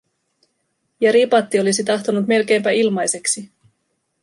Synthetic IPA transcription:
jɑɾipɑt̪ːio̞lisit̪ɑxt̪onut̪me̞lk̟e̞mpæilmɑjse̞ksi

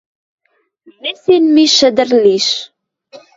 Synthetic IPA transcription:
mːisinmiʃæd̪əɾliʃ

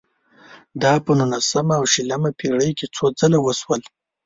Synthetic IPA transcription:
d̪ɑpənunasamaːwʃiləmapʰeɽəjket͡sod͡zəlawəswəl

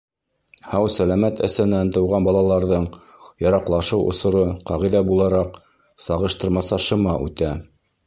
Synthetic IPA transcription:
hɑwsælæmæt̪ʰæ̰̆sænːænt̪ɤ̆wʁɑnbɑlˠɑlˠɑɾðɤɴ | jɑɾɑqlˠɑʃɤwʔŏ̰sŏɾoqɑʁiðæbulˠɑɾɑq | sɑʁɤ̆ʃt̪ɤ̆ɾmɑsɑʃɤ̆mɑʔʉ̰t̪æ

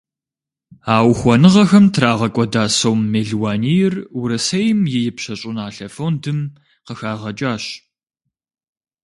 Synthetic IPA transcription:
aːwxʷɔnɨʁɐxɐmtʰraːʁɐkʷʼɔdaːsowmːeɮwaːnijɪrɾɐsɐjmjɪjɪpɕɐɕʼʊnaːɬɐfowndʰɨm | qəxaːʁɐt͡ʃʼaːɕ

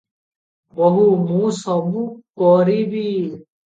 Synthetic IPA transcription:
boɦuːmũːsɔbuːkɔːɾiːbiː

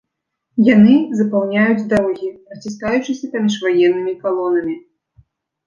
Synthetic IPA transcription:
janɨzɐpawnʲajud͡zʲd̪ɔwɣʲiɾɐt͡sʲis̬kajut͡ʂɨsʲɐpamʲiʂvajɛnːɨmʲikalˠɔnɐmʲi

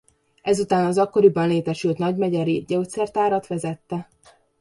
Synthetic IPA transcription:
ɛzut̪aːnɒzɒkːo̞ɾibɒnleːt̪ɛʃylt̪nɒɟmɛɟɛɾiɟɛut̪sɛrt̪aːɾɒt̪ʋɛzɛt̪ːɛ

